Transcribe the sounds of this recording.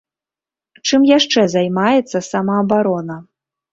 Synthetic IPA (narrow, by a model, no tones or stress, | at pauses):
t͡ʂɨmjaʂt͡ʂɛzajmajɛt̪sːɐsamaːbaɾɔnɐ